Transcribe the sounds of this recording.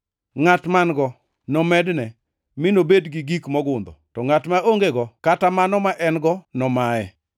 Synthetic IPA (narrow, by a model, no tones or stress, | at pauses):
ŋatmanɡɔ | nɔmɛdnɛ | mɪnobedɡɪɡikmɔɡʊnd̪ɔtɔŋatmaʔoŋɡeɡɔkatamanɔmaʔɛnɡɔnɔmajɛ